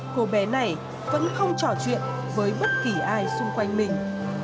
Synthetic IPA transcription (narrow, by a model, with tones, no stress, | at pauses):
ko˨˧ɓɛ˨˦na˨˩j | və̰˧˥nxə˧wŋ͡mt͡ɕɔ˧˩t͡ɕwḭ˧˨ən | vəː˨˦jɓə˦˥t̚ki˧˩ʔaː˧jsʊ˧ŋ͡mkwa˧jŋ̟mï˨˩ŋ̟